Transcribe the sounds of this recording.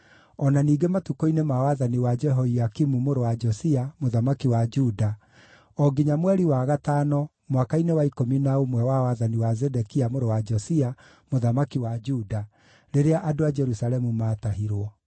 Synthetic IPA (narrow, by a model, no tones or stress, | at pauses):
ɔnaniːɡematukoinemawaðaniwad͡ʒɛɦoiakimumoɾowad͡ʒɔsiamoðamakiwad͡ʒuda | ɔɡiɲamwɛɾiwaɣatanɔ | mwakainewaikominaomwɛwawaðaniwazɛdɛkiamoɾowad͡ʒɔsia | moðamakiwad͡ʒuda | ɾeɾeaʔadoad͡ʒɛɾusalɛmumaːtaɦiɾwɔ